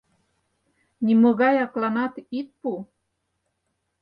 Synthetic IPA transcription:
nʲimoɣɑjɑklɑnɑt̪it̪̚pu

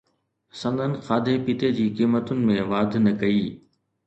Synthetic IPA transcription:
sɐ̃nd̪ʱənɪ̆xaːd̪ʱepit̪ed͡ʑiːkiːmət̪ʊnɪ̆mẽʋaːd̪ʱnɐkɐiː

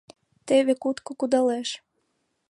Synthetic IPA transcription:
t̪eβekut̪kokud̪ɑleʃ

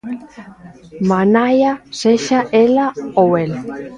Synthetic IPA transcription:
manajaseʃaʔelaowel

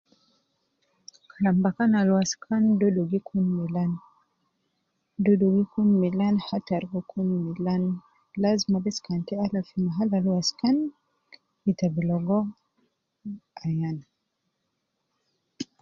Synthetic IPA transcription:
kʰalambakanalwaskʰandɔdɔɡikʰunmilan | dɔdɔɡikunmilanhataɾɡɔkʰunmilan | lazmabɛskantɛalafimaɦalalwaskan | itabilɔɡɔ | ajana

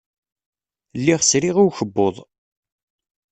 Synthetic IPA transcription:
lːiʁsɾiʁiwçəbːoðˤ

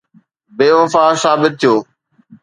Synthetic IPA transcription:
beːʋəfaːsaːbɪt̪̚t̪ʰːijoː

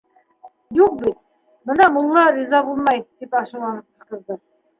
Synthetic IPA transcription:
juq̚bit̪ | bɤnɑmulˠːɑɾizɑbulˠmɑjt̪ipɑʃɤ̆lˠɑnɤp̚ɤ̆ʃt̪ɤ̆ɾd̪ɤ

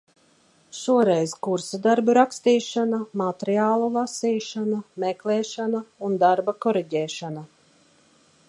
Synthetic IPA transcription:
ʃuɔɾɛjzkuɾsad̪aɾbuɾakst̪iːʃanamat̪ɾiaːlˠulˠasiːʃanameklɛːʃanaund̪aɾbakɔɾiɟɛːʃana

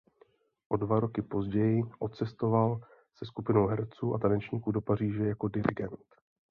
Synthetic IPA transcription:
ʔo̞dvaɾo̞kɪpo̞zɟɛjɪʔo̞tt͡sɛst̪o̞val | sɛskupɪno̞wɦɛɾt͡suːʔat̪anɛt͡ʃɲiːkudo̞par̝iːʒɛjako̞dɪɾɪ̰ɡɛnt̪

